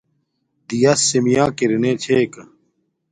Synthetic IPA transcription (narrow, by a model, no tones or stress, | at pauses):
d̪ijɐsːimijãːkiɾineːt͡ɕʰeːkɐ